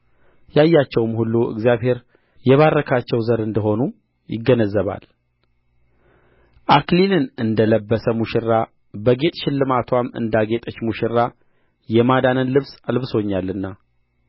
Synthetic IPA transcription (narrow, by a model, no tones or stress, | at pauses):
jajːat͡ʃːɛwmhulːuɨ̰ɡzijaβhe̞ɾ | jɛβarːəkʰat͡ʃːɛwzəɾɨnd̪əɦo̞nu | jɪ̰ɡːənəzːəβa̰l | ʔaklilɨnɨnd̪ələbːəsəmuʃɪɾːa | bəɡe̞t̪ʼʃɪlːɨmat̪ʰwamɨ̰nd̪aɡe̞t̪ʼət͡ʃːmuʃɪɾːa | jɛmad̪anɨnlɨβsalβɨso̞ɲːalːɨnːa